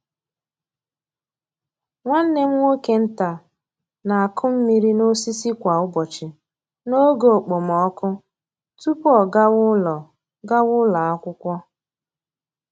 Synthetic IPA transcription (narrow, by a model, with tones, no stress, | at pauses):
ŋʷa˦n̩˦ne˦m̩˦ŋʷo˦ke˨n̩˦ta˨ | na˨a˨kʰʊ˦m̩˦mi˦ɾi˦no˦si˦si˦kʷa˨ʊ˦bɔ˨t͡ʃɪ˨ | no˦ɡo˨o˨k͡po˨m̩˨ɔ˨ɔ˦kʊ˦ | tu˦pɔ˨ɡa˦wʊ˦lɔ˨ | ɡa˦wʊ˦la˨a˦kʷʊ˦kʷɔ˦